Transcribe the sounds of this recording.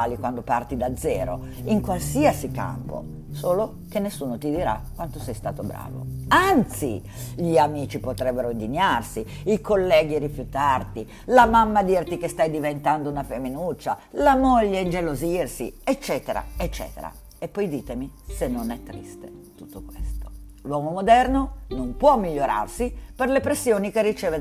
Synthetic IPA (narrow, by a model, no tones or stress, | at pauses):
alikwand̪opart̪id̪ad̪zːɛːɾo̰ | iŋkwalsiasika̰mpo̰ | soːlo | k̟enːesːuːnot̪id̪iɾa̰kːwant̪osɛjst̪aːt̪obɾa̰ːvo̰ant̪sḭ | ʎiamiːt͡ʃipot̪ɾɛbːeɾoind̪iɲːarsiikolːɛːɡiɾifjut̪art̪i | lamamːad̪irt̪ikest̪ajd̪ivent̪and̪ounafemːinut͡ʃːalamoʎːeind͡ʒelozirsḭet͡ʃːɛːt̪eɾa̰et͡ʃːɛ̰ːt̪ḛɾa̰ | epːɔjd̪iːt̪emisenːonɛt̪ːɾḭst̪ḛ | t̪ut̪ːokwest̪o̥ | lwɔːmomod̪ɛrnonompwɔmːiʎːoɾa̰rsiperlepɾesːjoːnik̟erːit͡ʃɛːve